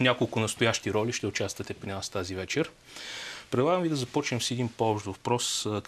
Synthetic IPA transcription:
nʲakolˠkʊnɐst̪ʊjaʃt̪iɾɔliʃt̪ɛʊt͡ʃast̪vɐt̪ɛpɾʲinast̪azivɛt͡ʃɛɾ | pɾɛd̪lˠaɡəmvid̪ɐzɐpɔt͡ʃnɛmsiɛd̪inpoɔpʃt̪ovpɾɔs

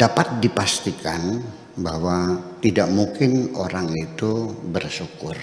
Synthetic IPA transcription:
d̥apat̪̚dipast̪ikan | bahwat̪idaʔmuŋkɪnoɾaŋit̪ubərsukʊr

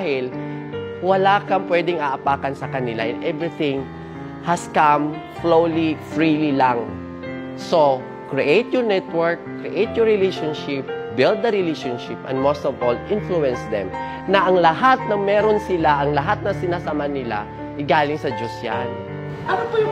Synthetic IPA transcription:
ahɪl | wɐlaːkɐŋpwɛd̪ɪŋɐʔɐpaːkɐnsɐkɐnɪla̰ʔɛnʔɛvɹɪθɪ̃ŋ | hɐskam | flowlifɹiːlilaŋ | so | kɹiʔejt̪jɔɹnɛt̪wɛɹkː | ɹiʔejt̪̚jɔɹɪlejʃonʃɪp̚bɪld̪̚d̪ɐɾɪleʃonʃɪpʔɛ̰̃nd̪most̪ɔvolʔɪnfluɛ̃nsd̪ɛm | nɐʔɐŋlɐɦat̪̚nɐŋmɛːɾonsɪlaʔɐŋlɐɦat̪̚nɐsɪnasɐmanɪla̰ | ʔɛɡaːlɪŋsɐd͡ʒosjan | ʔɐnopɐ

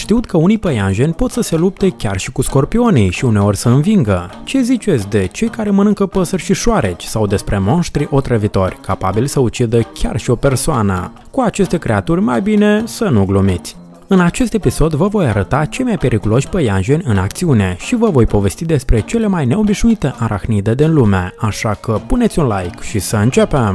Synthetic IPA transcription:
ʃt̪iut̪kʰəunijpəjanʒe̞nʲpo̞t̪səse̞lup̚t̪e̞kʲarʃikusko̞rpio̞nijʃiune̞o̞rʲsəɨnviŋɡət͡ʃe̞zit͡ʃe̞t̪sʲd̪e̞t͡ʃe̞jkaɾe̞mənɨŋkəpəsərʲʃiʃoaɾe̞t͡ʃʲsawd̪e̞spɾe̞mo̞nʃt̪ɾiʔo̞t̪ɾəvit̪o̞rʲkapa̰bilsəut͡ʃid̪əkʲa̰rʃio̞pe̞rsoanə̰ | kuat͡ʃe̞st̪e̞kɾe̞at̪urʲmajbine̞sənuɡlumit̪sʲ | ɨnat͡ʃe̞st̪e̞piso̞d̪vəvo̞jaɾət̪at͡ʃe̞jmajpe̞ɾʔikulo̞ʃʲpəjanʒenʲɨnakt̪siune̞ʃivəvo̞jpo̞ve̞st̪id̪e̞spɾe̞t͡ʃe̞le̞majne̞o̞biʃnuit̪e̞ʔaɾʔa̰xnid̪e̞d̪inlumeaʃakəpunet̪sʲunlajkʃisəɨnt͡ʃe̞pem

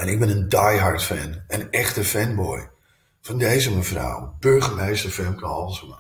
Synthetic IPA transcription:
ɛnɪk̚bɪnəndajɦaɹtfɛ̰nənɛxtəfɛnbɔj | fɔndejzəməfra̰wb̥øɹɣəmejstəɹfɛnkʰanɔlˠsəm

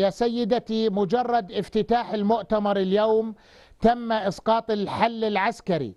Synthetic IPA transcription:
jaːsajːɪd̪at̪imʊd͡ʒɑrˤːɑd̪ʔɪft̪ɪt̪aːħɪlmʊʔt̪amɑɾˤɪljoːm | t̪amːaʔɪsqɑːt̪ˤɪlħalːɪlʕaskaɾḭ

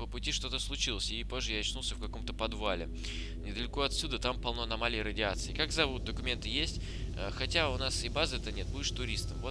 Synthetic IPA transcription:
pəpʊtʲiʂt̪o̞t̪əslˠʊt͡ɕilˠəsʲɪpo̞ʐːəjanɐt͡ɕnulˠsʲəfkɐko̞mt̪əpɐd̪valʲɪ̰ | nʲɪd̪əlʲɪko̞ɐt̪sʲːud̪ət̪ampɐlˠno̞ɐnɐmalʲɪəjɾədʲɪat̪sɨɪkakzɐvut̪̚d̪əkʊmʲe̞nt̪ɨjesʲtʲ | əxɐtʲaʊnasɪbazɨɛt̪ənʲe̞t̪̚budʲɪʂt̪ʊɾʲist̪əmvo

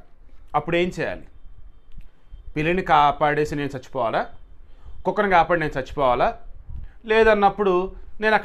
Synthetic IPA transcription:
ɐpːuɽe̞ːmt͡ʃɛːja̰ːli | pilinikaːpaːɽe̞ːsine̞ːnut͡ʃɐt͡ʃːu̥pɔːʋaːla | kukːɐnɐkaːpaːɽineːnut͡sɐt͡ʃːi̥pɔːʋaːlaː | lɛːd̪ɐnːɐpːuɽune̞ːnɐkː

